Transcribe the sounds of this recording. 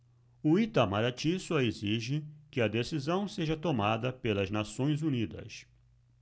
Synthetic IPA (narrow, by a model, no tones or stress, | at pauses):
ʊit̪amaɾat͡ʃisʊɐeziʒɪkɪɐd̪esizɐ̃w̃seʒɐt̪omad̪ɐpelɐznasõj̃zunid̪ɐ̰s